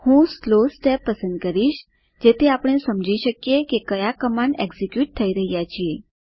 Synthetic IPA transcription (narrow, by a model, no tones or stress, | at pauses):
hũːslosʈɛpːəsənd̪̚kəɾiːɕ | d͡ʑet̪ʰeapɽ̃ẽsəmd͡ʑiɕəkjekekəjakəmaneɡzikjuːʈ̚t̪ʰəiɾəɦijat͡ɕie